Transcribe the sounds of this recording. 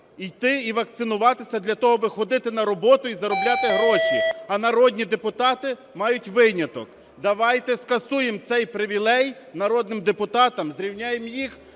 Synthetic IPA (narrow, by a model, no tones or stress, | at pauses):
ijt̪ɪiʋɐk̚t̪sɪnʊʋɑt̪ɪsʲɐd̪lʲɐt̪ɔɦɔbɪxɔd̪ɪt̪ɪnɐɾɔbɔt̪ʊizɐɾɔblʲat̪ɪɦɾɔʃiɐnɐɾɔdʲnʲid̪e̞pʊt̪ɑt̪ɪ | mɑjʊtʲʋɪnʲɐt̪ɔk | d̪ɐʋɑjt̪ɛskɐsujemt̪sɛjpɾɪʋʲilˠɛj | nɐɾɔd̪nɪmd̪epʊt̪ɑt̪ɐmzɾʲiwnʲɑjemjix